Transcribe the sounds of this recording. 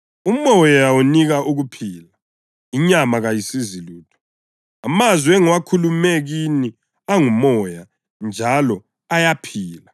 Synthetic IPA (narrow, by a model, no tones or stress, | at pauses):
umɔjawuniɣaʔuɣupʰiːla | iɲamaɣajisiziluːtʰɔ̥ | amazwiɛŋuwakʰulumɛɣini | aŋumɔja | nd͡ʒʱalɔ | ajapʰiːla